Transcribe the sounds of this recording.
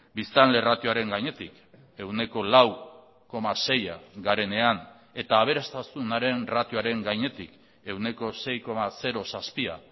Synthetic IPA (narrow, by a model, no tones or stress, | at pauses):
bist̪anle̞rat̪joaɾe̞ŋɡaɲe̞t̪ik | e̞wne̞ko̞law | ko̞mase̞ja̰ɡaɾe̞ne̞an | e̞t̪aːβ̞e̞ɾast̪asunaɾe̞nrat̪joaɾe̞ŋɡajɲe̞t̪ḭk | e̞wne̞ko̞se̞jko̞mase̞ɾo̞saspia̰